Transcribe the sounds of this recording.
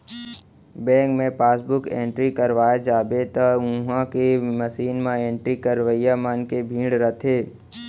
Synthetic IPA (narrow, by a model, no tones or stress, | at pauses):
bɛ̃ːŋkmẽpaːsbʊkḛ̃ːɳʈɾikəɾʋaːjad͡ʒaːbet̪aʊ̃ɦãkeməsiːnmãẽːɳʈɾikəɾʋəjamaːnkebʱĩːɽɾət̪ʰeː